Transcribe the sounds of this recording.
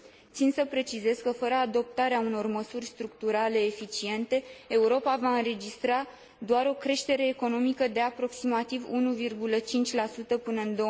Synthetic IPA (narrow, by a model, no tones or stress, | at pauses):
t̪sinsəpɾe̞t͡ʃize̞z̥kəfəɾəad̪o̞p̚t̪aɾeauno̞rməsurʲst̪ɾuk̚t̪uɾale̞ːfit͡ʃie̞nt̪e̞ːuɾo̞pavaɨnɾe̞d͡ʒist̪ɾa | d̪oaɾo̞kɾe̞ʃt̪e̞ɾe̞ːko̞no̞mikəd̪e̞apɾo̞ksimat̪ivunuvirɡulət͡ʃint͡ʃʲlasut̪əpɨnəɨnd̪o